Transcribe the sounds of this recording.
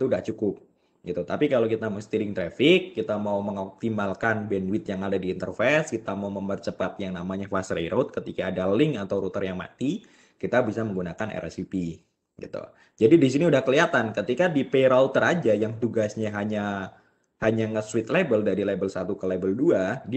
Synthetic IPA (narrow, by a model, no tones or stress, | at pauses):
t̪udaht͡ʃukʊp̚ | ɡit̪ut̪apikalokit̪aməst̪iɾɪŋt̪ɾefɪkːit̪amauməŋɔk̚t̪imalkanbɛnwɪt̪̚jaŋadadiːnt̪ərfɛskit̪amauməmbərt͡ʃəpat̪̚jaŋnamaɲafasɾejɾot̪̚kət̪ikaːdalɪŋat̪awɾut̪ərjaŋma̰t̪i | kit̪abisaməŋɡunakanɛ̰ɾʔɛ̰sipi | ɡḭt̪ṵ | d͡ʒadidis̬iniudahkəliat̪ankət̪ikadipeɾalt̪ːəɾad͡ʒajaŋt̪uɡasɲaɦaɲa | haɲaŋəswɪt̪̚lebəldaɾilebəlsat̪ukəlebəlduadi